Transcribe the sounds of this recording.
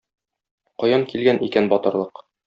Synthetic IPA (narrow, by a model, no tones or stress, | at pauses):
qɒjɑŋkilɡænʔikænbɒt̪ɤ̆ɾlˠɤq